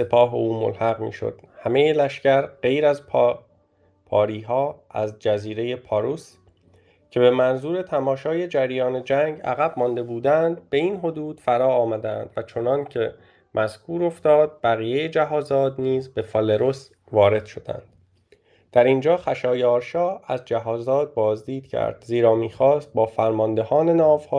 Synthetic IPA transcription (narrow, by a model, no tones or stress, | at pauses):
se̞pʰɒːɦeuːmo̰lhæɣmḭːʃo̰d̪̥hæme̞jelæʃcæɾɢe̞jɾæzp | pʰɒːɾiːɦɒːæzd͡ʒæziːɾe̞je̞pʰɒɾus | cʰe̞be̞mænzuːɾe̞t̪ʰæmɒːʃɒːje̞d͡ʒæɾjɒːne̞d͡ʒæŋɡæ̰ɣæbmɒnd̪e̞buːd̪ænd̪̚be̞inɦo̞d̪uːd̪̥fæɾɒːmæd̪æ̰nd̪̥væt͡ʃʰo̞nɒncʰe̞ | mʔæz̥kʰuːɾo̞ft̪ɒːd̪̚bæɣiːjejed͡ʒæɦɒːzɒːd̪niːzbe̞fɒleɾos | vɒːɾe̞d̪̥ʃo̞d̪̥æ̰nd̪̥ | d̪̥æɾind͡ʒɒːχæʃɒːjɒːɾʃɒːæzd͡ʒæɦɒːzɒːd̪̚bɒːzd̪iːd̪̥cʰæ̰ɾd̪̥ziːɾɒːmiːxɒːst̪̚bɒːfæɾmɒnd̪e̞hɒːne̞nɒːvhɒː